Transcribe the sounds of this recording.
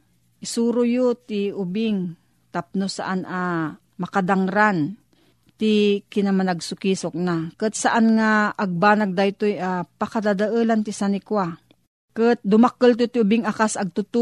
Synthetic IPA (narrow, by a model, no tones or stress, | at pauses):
ʔɪsuːɾʊjot̪ɪʊbɪŋ | t̪ap̚nosa̰ʔanʔa | mɐkad̪aŋɾan | t̪ɪkɪnamanaɡsʊkisok̚nakɨt̪̚saʔanŋaʔːɡ̚baːnaɡ̚d̪ajt̪ojapakad̪ad̪aʔəlant̪ɪsanɪkwa | kət̪̚d̪ʊmakəlt̪ot̪ɪʊbɪŋakasaɡ̚t̪ʊt̪u